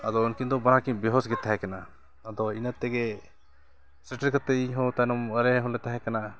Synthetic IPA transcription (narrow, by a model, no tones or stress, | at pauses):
ad̪ɔunkind̪ɔbanakibiɦɔsɡɛt̪ːaɦɛkanaː | d̪ɔinət̪ːɛɡɛ | sɛʈəɾkət̪ɛiɲɦɔ̃t̪anɔməɾɛɦɔ̃lɛt̪aɦɛkana